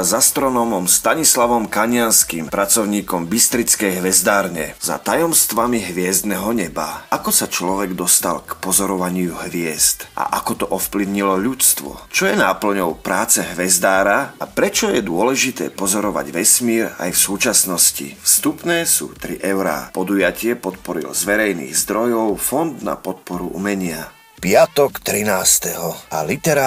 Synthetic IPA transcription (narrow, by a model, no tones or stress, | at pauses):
azast̪ɾɔnɔːmɔmst̪aɲislaʋɔmkaɲɪanskimpɾat͡sɔʊɲiːkɔmbist̪ɾit͡skɛjɦʋɛzd̪aːɾɲɛz̥a̰t̪ajɔmst̪ʋamiɦʋɪɛzd̪nɛɦɔɲɛba̰akɔsat͡ʃlɔʋɛɡd̪ɔst̪a̰lkpɔzɔɾɔʋaɲɪuɦʋɪɛzt̪ʔa̰ʔakɔt̪ɔʔɔfpliʊɲilɔʎut͡st̪ʋɔ̰t͡ʃɔjɛnaːpl̩ɲɔʊpɾaːt͡sɛɦʋɛzd̪aːɾaapɾɛt͡ʃɔjɛd̪ʊɔlɛʒit̪ɛ̰ːpɔzɔɾɔʋa̰ɟʋɛsmiːɾa̰jfsuːt͡ʃasnɔscḭfst̪upnɛːsṵːt̪ɾḭʔɛʊɾa̰ːpɔd̪ujacɪɛpɔt̪pɔɾḭlzʋɛɾɛjnḭːɣzd̪ɾɔjɔʊfɔnd̪na̰pɔt̪̚pɔɾuʔṵmɛɲɪa | pɪat̪ɔkt̪ɾinaːst̪ɛɦɔalit̪ɛɾa